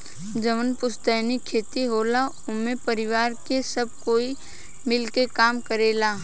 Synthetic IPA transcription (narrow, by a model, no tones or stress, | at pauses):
d͡ʒəmənpʊst̪əːnikʰeːt̪iɦoːla | ʊmẽpəɾɪwaːɾkesəb̚koːi | mɪlkekaːmkəɾeːlaː